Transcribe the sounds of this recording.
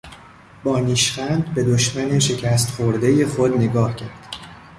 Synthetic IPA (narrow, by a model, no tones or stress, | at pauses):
bɒːniːʃχænd̪be̞d̪oʃmæneʃe̞cʰæːst̪xoɾd̪e̞jexod̪neɡɒːhcʰæɾd̪̥